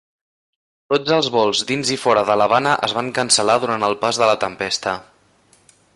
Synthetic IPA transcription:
t̪od͡zəlˠzβɔlˠzðinzifɔɾəðələβanəʔəzβaŋkənsəlaðuɾant̪əlˠpazðələt̪əmpɛst̪ə

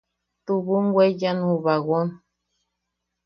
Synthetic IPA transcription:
tuβuŋɡwɛd͡ʒanuβaɣɔn

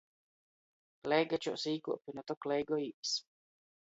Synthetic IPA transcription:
lɛjɡat͡ʃɔ̰siːkṵɔpʲinɔt̪ɔklɛjɡɔiːps

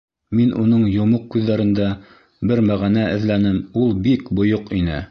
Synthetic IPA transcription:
minʔunɤɴjŏmoq̚kːʉðːæɾɘ̆nd̪æ | bɘɾmæʁænæʔɘ̆ðlænɘmulˠbikbŏjoqinɘ̰

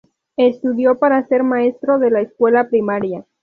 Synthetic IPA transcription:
e̞st̪uðjo̞paɾase̞ɾmae̞st̪ɾo̞ðe̞laeskwe̞lapɾimaɾja

